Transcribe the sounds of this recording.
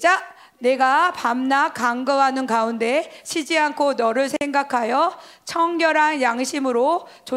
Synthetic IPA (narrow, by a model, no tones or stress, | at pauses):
d͡ʑa | ne̞ɡapamnakaŋɡʌɦanɯnkaunde̞ɕʰid͡ʑiankʰonʌɾɯɭsʰeŋɡakʰajʌt͡ɕʰʌŋɡjʌɾɦanjaŋɕʰimɯɾo | t͡ɕo